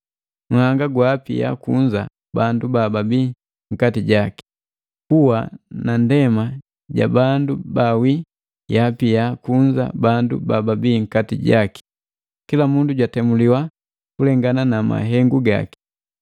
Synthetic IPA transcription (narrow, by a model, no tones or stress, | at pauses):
ŋ̩haŋɡaɡwapḭja̰kuɲd͡ʒa | bandubababiː | ŋ̩katiɟaki̥ | kuwanandɛma | ɟa̰bandubawi | japijakuɲd͡ʒa̰bandṵbababiːŋ̩katiɟaki̥ | kilamunduɟwatɛmuliwa | kulɛŋɡananama̰ɦɛŋɡuɡa̰ki̥